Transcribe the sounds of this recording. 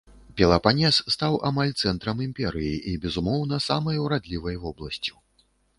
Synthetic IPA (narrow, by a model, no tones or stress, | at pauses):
pʲɛlˠɐpanʲɛsːt̪awamalʲt̪sɛnt̪ɾɐmimʲpʲɛɾɨjiʔibʲɛzumɔwn̪ɐsamɐjwɾad̪lʲivɐjvɔblˠɐsʲt͡sʲi̥